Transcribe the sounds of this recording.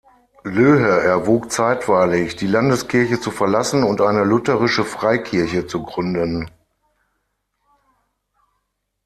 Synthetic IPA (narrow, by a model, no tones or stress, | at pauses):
løːɦəʔɛɐvoːkt͡saɪtv̥aɪlɪçd̥iːlandəskʰɪɐçət͡sufɛɐlasn̩ʊntʔaɪnəlʊtəʁɪʃəfʁ̥aɪkʰɪɐçət͡suɡʁʏndən